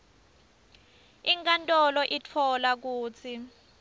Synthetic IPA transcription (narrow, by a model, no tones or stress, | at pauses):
iŋkʼantʼɔlɔʔitʰɔlak̬uːt͡sʰi